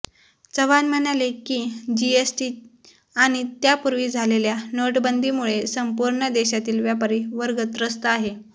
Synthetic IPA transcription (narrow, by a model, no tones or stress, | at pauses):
t͡səʋanm̤ənalekiːd͡ʑiesʈiː | aɽ̃it̪japuɾʋiːd͡zʱaleljanoʈbənd̪ʱiːmuɭesəmpuɾɳəd̪eɕat̪iːlʋjapəɾiːʋəɾɡət̪ɾəst̪əaɦe